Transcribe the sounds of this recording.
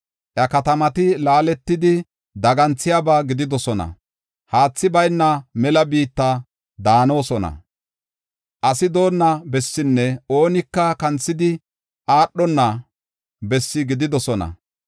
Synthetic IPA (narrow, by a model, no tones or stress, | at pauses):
ʔɐkɐt̪ɐmɐt̪ɪlaːlɛt̪ːɪd̪ɪ | d̪ɐɡɐnt͡sːɪjabaɡɪd̪ɪd̪ɔsɔnɐ̰ | haːt͡sːɪbɐjnːɐmɛlɐbiːt̪ːɐ | d̪aːno̞ːsɔnɐ̰ | ʔɐsɪd̪o̞ːnːɐbɛsːɪnːɛo̞ːnɪkːɐkɐnt͡sːɪd̪ɪ | ʔaːɗːɔnːɐ | bɛsːɪɡɪd̪ɪd̪ɔsɔnɐ̰